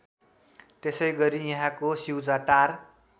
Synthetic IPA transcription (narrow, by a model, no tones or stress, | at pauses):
t̪esʌjɡʌɾijʌɦãkosiwd͡zaʈar